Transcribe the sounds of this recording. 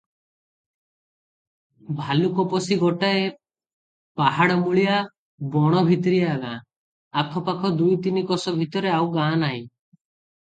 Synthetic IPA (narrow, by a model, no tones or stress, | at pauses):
bʱalukɔpɔsiɡɔʈae | paɦaɽɔmuɭija | bɔɽ̃ɔbʱit̪ɾiaɡãː | akʰɔpakʰɔd̪ujt̪inikɔsɔbʱit̪ɔɾeawɡãnai